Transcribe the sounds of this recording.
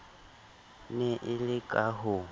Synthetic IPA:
nɪʔɪlɪkʼaɦʊ

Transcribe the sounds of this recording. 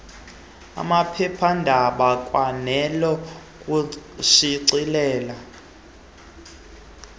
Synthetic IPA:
a̰mapʰɛpʰandʱaɓakʼwanɛlɔ | kʼuʃiǀilɛːla

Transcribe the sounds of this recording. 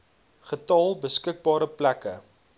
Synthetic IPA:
χətɑlˠbəskək̚bɑːɾəplækə

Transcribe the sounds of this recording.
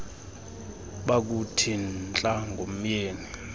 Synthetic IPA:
ɓak̬utʰint͡ɬʼaŋɡʱom̩jeːni

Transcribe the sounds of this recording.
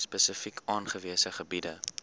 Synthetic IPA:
spəsəfikʰɑːnχəviəsəχəbidə

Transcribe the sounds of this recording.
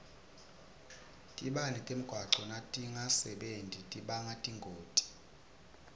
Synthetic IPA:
tʼiɓanɛtʼem̩ɡ̥ʱwaǁɔnatʼiŋasɛɓentʼitʼiɓaŋatʼiŋɡʱoːtʼi̥

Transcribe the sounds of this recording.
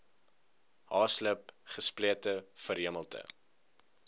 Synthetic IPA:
ɦɑːsləpχəspliətəfəɾɦiəməlˠtə̰

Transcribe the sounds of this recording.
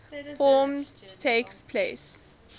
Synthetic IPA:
fɔːmtʰekspʰles

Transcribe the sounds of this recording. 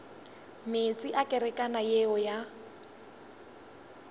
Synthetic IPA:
met͡sʼiʔakʼɛɾɛkʼanajeɔja

